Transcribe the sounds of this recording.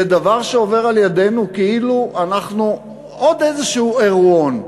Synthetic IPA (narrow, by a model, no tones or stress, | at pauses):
ed̪avaʁʃeo̞ve̞ʁaljad̪e̞nukeiluanaχnu | o̞d̪ejzeʃuueʁuon